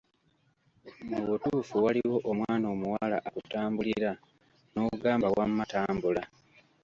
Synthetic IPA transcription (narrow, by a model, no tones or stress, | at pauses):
muβutuːfuwaliwo̞ʔomwaːnoːmuwala̰ʔakutaːmbuliɾa | noɡaːmbawamːataːmbula